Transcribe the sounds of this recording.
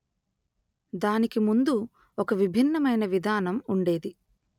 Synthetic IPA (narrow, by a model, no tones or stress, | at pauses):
d̪aːnikimund̪u | ɔkɐʋibʱinːɐmɐjnɐʋid̪ʱaːnɐmuɳɖe̞ːd̪i